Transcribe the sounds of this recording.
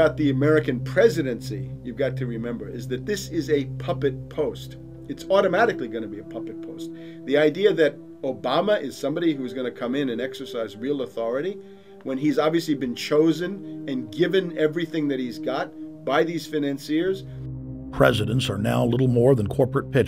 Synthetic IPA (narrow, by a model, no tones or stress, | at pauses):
aʊt̪̚ðiɨmɛɹɨkɨ̃npʰɹ̥ɛzɨɾɨ̃nsijʉvɡɑtʰɨɹɨmɛ̃mbə˞ʔɪzðɨt̪̚ðɪsɪzɨpʰʌpɨt̚pʰoʊst | ɨtsɔɾɨmæɾɨkliɡʌñɨbiɨpʰʌpɨt̚pʰoʊst̪̚ | ðiaɪdiɨðɨɾ | oʊbɑməʔɪz̥sʌ̃mbɑɾiɦuɨzɡʌñɨkʰʌ̃mɪ̃nɨ̃nɛksə˞saɪzɹilˠəθɔɹɨɾi | wə̃nizɑbviɨslibɨ̃nt͡ʃʰoʊzɨ̃nɨ̃nɡɪvɨ̃nɛvɹiθɪ̃ŋðɨt̚hizɡɑt̚b̥aɪðiz̥fɨnæ̃nsiɹz̥ | pʰɹ̥ɛ̰zɨɾɨ̃n̩tsə˞na̰ʊlɪɾl̩ˠmɔɹðə̃nkʰɔɹpɹɨt̚pʰɪt͡ʃ